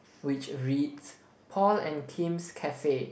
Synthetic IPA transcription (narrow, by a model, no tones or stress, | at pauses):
wɪt͡ʃɹits | pʰɔlɛ̃nkʰĩmskʰɛfe